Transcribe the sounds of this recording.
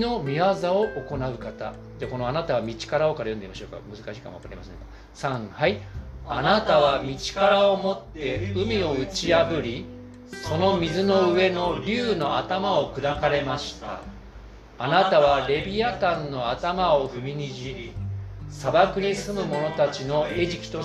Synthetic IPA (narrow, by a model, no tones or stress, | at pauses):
no̞mʲiβazao̞ʔoko̞naɯ̟kat̪a | d͡ʑaːko̞no̞anat̪aβamʲit͡ɕi̥kaɾaokaɾajond̪eimaɕoːka̰mɯ̟zɨkaɕiːka̰moakaɾaɾimasẽka | sãɴ̃haianat̪aβ̞amʲit͡ɕi̥kaɾaomo̞t̪ːe̞ɯ̟mʲio̞ɯ̟t͡ɕiabɯ̟ɾʲi | so̞no̞mʲizɨno̞ɯe̞no̞ɾʲɨːno̞at̪amao̞kɯ̟d̪akaɾe̞maɕi̥t̪a̰ː | nat̪aβaɾe̞bʲiat̪ãnːo̞at̪amao̞ɸɯ̟mʲiɲiʑi | sabakɯ̟ɲ̟isɨmɯ̟mo̞no̞t̪at͡ɕino̞e̞ʑikʲi̥t̪o